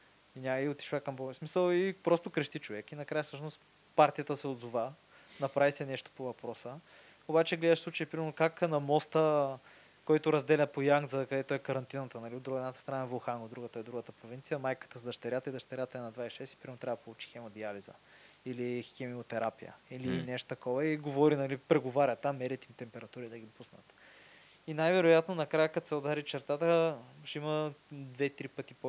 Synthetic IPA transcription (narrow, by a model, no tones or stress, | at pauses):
inʲaməiot̪i̥ʃvakɐmbosmisəlˠipɾɔst̪okɾəʃt̪it͡ʃovɛkinɐkɾajəfsɤəʃnost̪ | paɾt̪ijət̪əsɛod̪zuva | nɐpɾavisɛnɛʃt̪o̥povɐpɾɔsə | obat͡ʃɛɡlɛd̪əʃsˠut͡ʃəjipɾimɛɾnokaknɐmɔst̪ə | kɔjt̪ʊɾɐzd̪ɛlʲət̪̚pojaŋɡ̪zəkɐd̪ɛt̪oɛkɐɾɐnt̪inət̪ənɐliod̪ːuɡɛd̪nat̪ə̥st̪ɾɐnaɛvoxaŋɡod̪ɾuɡət̪əɛd̪ɾuɡət̪əpɾovint̪sijəmajkə̥t̪əzd̪ɐʃt̪ɐɾʲjat̪əid̪ɐʃt̪ɐɾʲjat̪əɛnɐd̪vaisʃɛsi̥pɾimɛmot̪ɾavəd̪polˠut͡ʃi̥xɛmɐd̪ializə̰ | ilixɛmiot̪ɛɾapijə̰ilinɛʃt̪o̥t̪ɐkɔvəiɡovɔɾinɐlipɾɛɡovaɾʲɐt̪amːɛɾʲɛt̪imt̪ɛmpɛɾɐt̪uɾid̪ɐɡʲid̪opusnə̰t̪ | inajvɛɾojat̪nonɐkɾajəkɐt̪sɛod̪aɾit͡ʃɛɾt̪at̪əʃiməd̪vɛt̪ɾipət̪ipo